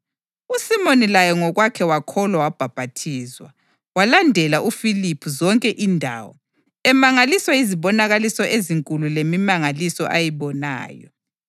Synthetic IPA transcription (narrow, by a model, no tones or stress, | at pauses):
usimonilajɔŋɔɣwakʰɛwakʰɔlwawab̥ʱab̥ʱatʰiːzwa̰ | walandʱɛlaʔufilipʰuzɔŋkʼɛʔindʱa̰ːwɔ̰ | ɛmaŋaliswaiziβɔnaɣalisɔʔeziŋkʼululemimaŋalisɔʔajiβɔna̰ːjɔ̰